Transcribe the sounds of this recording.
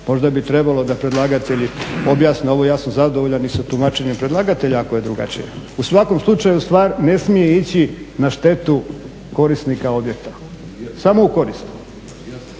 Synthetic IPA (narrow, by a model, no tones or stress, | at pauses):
mo̞ʒd̪abit̪ɾebalo̞d̪apɾed̪lˠaːɡat̪e̞ʎio̞bjaːsneo̞ʋojaːsamzad̪oʋoʎanisat̪umat͡ʃe̞ɲempɾed̪lˠaɡat̪e̞ʎaːko̞je̞d̪ɾuɡa̰t͡ʃḭjeusʋako̞mslˠut͡ʃajust̪ʋaːɾne̞smije̞it͡ɕinaʃt̪e̞t̪u | ko̞ɾist̪nikao̞bje̞k̚t̪ḁ | samo̞uko̞ɾist̪u̥